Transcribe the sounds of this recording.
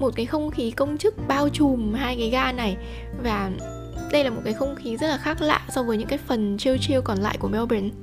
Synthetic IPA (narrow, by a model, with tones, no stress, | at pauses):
mo˨˩t̚kaː˨˦jxə˧wŋ͡mxi˨˦kə˧wŋ͡mt͡ɕɨ˦˥k̚ɓaː˧wt͡ɕu˨˩mɦaː˧jkaː˨˦jɣaː˧na˨˩j | vaː˨˩ | ɗə˧jlaː˨˩o˨˩t̚kaː˨˦xə˧wŋ͡mxi˨˦zə˦˥t̚laː˨˩xaː˦˥k̚la̰ː˧˨sɔ˧vəː˨˦jɲɨ̰˧˥ŋkaː˨˦jfə˨˩nt͡ɕi˧əwt͡ɕi˧əwkɔ˨˩nla̰ː˧˨jku˧˩əmɛ˧wɓe˨˦n